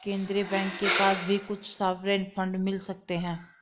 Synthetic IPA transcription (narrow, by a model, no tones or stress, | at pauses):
kẽːnd̪ɾebɛ̃ːŋkːepaːsbʱikʊt͡ʃʰsaːʋɾeːnpʰə̃ɳɖmɪlsək̚t̪eɦɛ̃ː